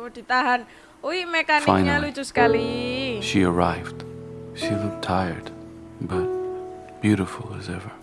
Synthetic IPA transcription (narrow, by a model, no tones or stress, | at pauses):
d̥i̤t̪aɦan | uimekaniã̰ɪnɲalu̥d͡ʒ̥usə̥kaliʃiə˞aɪvd̥ʃilʊk̚tʰaɪə̰˞d̥bʌt̚ | b̥jʉɾɨfl̩ˠəzɛvə˞